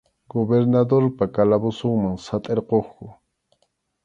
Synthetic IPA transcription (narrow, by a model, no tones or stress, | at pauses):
ɡobeɾnad̪oɾpakalabʊsoŋmaŋsat̪ʼeɾqoχkʊ